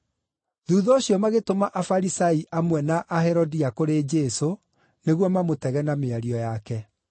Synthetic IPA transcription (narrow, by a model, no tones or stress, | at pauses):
ðuːðɔːɕiɔmaɣetomaʔafaɾisaiʔamwɛnaʔahɛɾodiakoɾed͡ʒeso | neɣwɔmamotɛɣɛnameaɾiɔjakɛ